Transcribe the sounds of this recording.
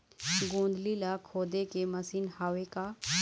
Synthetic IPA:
ɡõːnd̪lilakʰoːd̪ekemɐsiːnhaːʋeka

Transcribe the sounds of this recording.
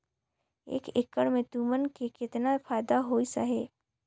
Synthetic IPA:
ḛːkɪkːəɽmẽt̪uːmənkekɪt̪napʰaːjd̪aɦoːisa̰ɦeː

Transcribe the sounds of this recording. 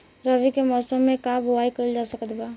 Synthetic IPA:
ɾəʋikemɔːsəmːẽkaːbʊaːikəld͡ʒaːsəkət̪ɡaː

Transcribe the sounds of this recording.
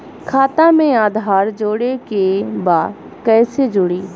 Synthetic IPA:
kʰaːt̪amẽaːd̪ʱaːɾd͡ʒoːɽekebaːd | kɛːsed͡ʒʊːɽiː

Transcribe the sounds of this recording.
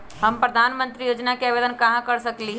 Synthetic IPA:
hɐmpɾɐd̪ʱaːnmə̃nt̪ɾijoːd͡ʒnakeaːʋeːd̪ənkɐɦãkɐɾsɐkliɦ

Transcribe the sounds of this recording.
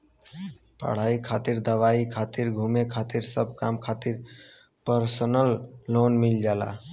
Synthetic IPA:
pə̰ɽ̤aikʰat̪iɾd̪əʋaikʰat̪iɾɡʱumekʰat̪iɾsəb̚ʱkamkʰat̪iɾ | pəɾsənəlːonmild͡ʒala̰

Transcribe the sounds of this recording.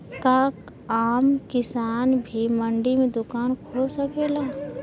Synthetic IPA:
kak | aːmkɪsaːnbʱiməɳɖimẽd̪ʊkaːnkʰosəkeːlaː

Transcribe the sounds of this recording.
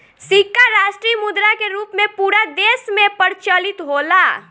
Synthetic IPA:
sikaɾaʃʈɾimud̪ɾakeɾuːpmẽpuːɾad̪esmẽpəɾt͡ʃəlit̪ɦola

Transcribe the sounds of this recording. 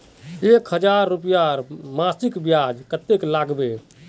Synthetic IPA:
ekɦəd͡ʒaɾːupjaɾmasikbjad͡ʒkət̪eklaɡbe

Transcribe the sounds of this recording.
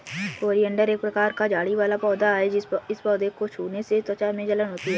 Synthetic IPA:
koːɾiə̃ɳɖəɾeːk̚pɾɐkaːɾkad͡ʒaːɽiʋaːlapɔːd̪aɦɛd͡ʒɪspɔːd̪ekot͡ʃʰuːneset̪ət͡ʃamẽd͡ʒɐlənɦoːt̪iɦɛː

